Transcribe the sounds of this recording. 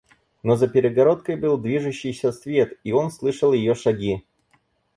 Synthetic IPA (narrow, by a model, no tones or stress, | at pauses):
no̞zəpʲɪɾʲɪɡɐɾo̞t̪kəjbɨlˠd̪vʲiʐɨɕːɪjsʲəsvʲe̞t̪io̞nslˠɨʂəlˠjɪjo̞ʂɐɡʲi